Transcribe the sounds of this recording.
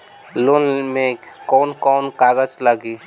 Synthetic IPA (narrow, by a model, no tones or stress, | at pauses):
loːnmẽ | kɔːnkɔːnkaːɡəd͡ʒlaɡiː